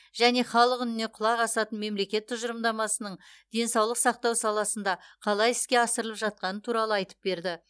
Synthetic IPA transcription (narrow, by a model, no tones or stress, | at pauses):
ʒ̥æne̞χɑlˠəqʏnɪne̞qʰʊlˠɑʁɑsɑt̪ənme̞mle̞kʲe̞t̪ʰːʊʒəɾəmd̪ɑmɑsənəɴd̪̥e̞nsɑwlˠəqsɑq̚t̪ɑwsɑlˠɑsənd̪ɑqʰɑlˠɑjɪskʲe̞ɑsəɾəlˠəpʒɑt̪̚qɑnət̪ʰuɾɑlˠəɑjt̪ə̥p̚be̞ɾd̪ɪ